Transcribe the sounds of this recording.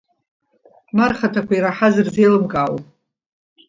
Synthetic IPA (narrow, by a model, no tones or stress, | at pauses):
marχatʰakʷʰaiɾaħazɨrzejlɨmɡawʼ